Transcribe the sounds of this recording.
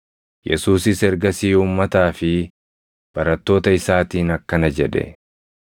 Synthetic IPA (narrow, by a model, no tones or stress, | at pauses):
jɛsuːsɪsɛɾɡɐsiːuːmːɐt̪aːfɪ | b̥ɐɾɐt̪ːo̞ːt̪ɐɪsaːt̪iːnɐkːɐnɐd͡ʒɛᶑɛ̰